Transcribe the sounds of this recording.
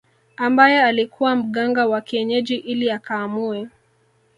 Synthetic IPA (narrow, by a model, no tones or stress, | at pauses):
ambajɛalikʰuwam̩ɠaŋɡawakiɛɲɛʄiʔiliakaːmuɛ